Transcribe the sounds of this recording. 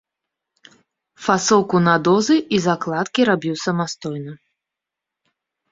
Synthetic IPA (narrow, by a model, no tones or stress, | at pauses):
fasɔwkunad̪ɔzɨizaklˠat̪kʲiɾabʲiwsɐmast̪ɔjnɐ